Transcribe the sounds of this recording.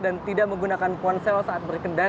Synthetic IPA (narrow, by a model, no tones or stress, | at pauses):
dant̪idaʔməŋɡunakanpɔnsɛlsaʔat̪̚bərkənda